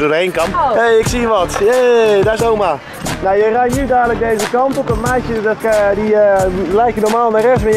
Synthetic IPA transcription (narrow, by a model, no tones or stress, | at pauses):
dodəhejnkɑmpejɪksiʋɔtedaɪsowma | nawjərɛjnydaːdələk̚dejzəkɑntɔpətmɛjtjədɔtkdilɛjkjənɔrmaːlˠnaɾɛsmɪ